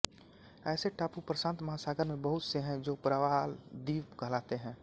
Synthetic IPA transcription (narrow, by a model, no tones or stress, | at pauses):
ɛːseʈaːpupɾəsãːnt̪məɦasaːɡəɾmẽbəɦʊt̪seɦɛ̃d͡ʒoːpɾaʋaːld̪iːʋɡʱəlaːt̪eɦɛ̃ː